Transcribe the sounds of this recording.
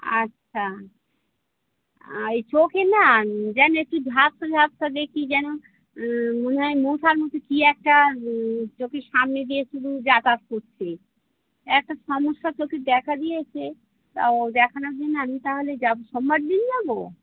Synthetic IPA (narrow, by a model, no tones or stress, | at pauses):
a̰tːɕʰa | ejt͡ɕokenad͡ʑɛnoek̚ʈubʱabsabʱabsad̪ekid͡ʑɛno | monɦaemut̪ʰaɾmɔt̪okiɛk̚ʈa | t͡ʃokeʃamned̪ieʃud̪ʱud͡ʑat̪askoɾt͡ɕʰe | ɛk̚ʈaʃɔmoʃːat͡ʃoked̪ɛkʰad̪ijet͡ɕʰe | t̪a̰d̪ɛkʰanad͡ʑenamit̪aɦoled͡ʑaboʃɔmbaɖd̪ind͡ʑabo